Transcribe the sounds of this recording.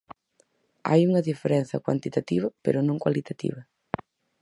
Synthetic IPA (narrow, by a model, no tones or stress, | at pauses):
a̰juŋɐðifeɾɛnθɐ̰kwa̰nt̪it̪at̪iβɐpḛɾʊnõŋkwalit̪at̪ḭβɐ